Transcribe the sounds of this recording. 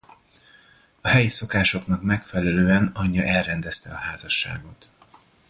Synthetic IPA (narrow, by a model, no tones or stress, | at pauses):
ɒɦɛjiso̞kaːʃo̞knɒkmɛkfɛlɛløːɛnɒɲːɒʔɛlrɛnd̪ɛst̪ɛɒhaːzɒʃːa̰ːɡo̞t̪